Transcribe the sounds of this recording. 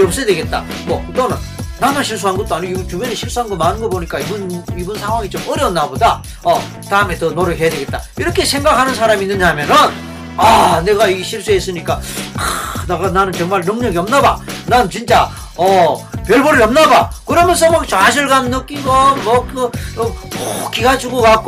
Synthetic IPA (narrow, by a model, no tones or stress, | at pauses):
ʌp̚s͈edweɡe̞t̚t͈a̰ | mʌtʌnɯn | namaɕʰiɭs̬͈ʰuɦanɡʌt͈oaɲit͡ɕubeneɕʰiɭs͈uɦanɡʌmanɯnɡʌboɲik͈aibunibunsʰaŋɦwaŋit͡ɕomʌɾjʌnːaboda | ʌ | taɯme̞tʌnoɾʌɦe̞jadwe̞ɡet̚t͈aiɾʌkʰe̞sʰe̞ŋɡakʰanɯns̬ʰaɾaminːɯɲamjʌnɯn | ane̞ɡaiɕʰiɭs͈ues͈ɯɲik͈akɯneɡananɯnt͡ɕʌŋmaɭnʌŋɲʌɡiʌmnaba̰nanɯnt͡ɕint͡ɕ͈a | ʌpjʌɭbʌɾɯɭʌmnabakɯɾʌmjʌns̬ʰʌmʌt͡ɕaɕ̬ʰiɭɡannʌk͈iɡʌmʌkɯ | okiɡad͡ʑuɡokak͈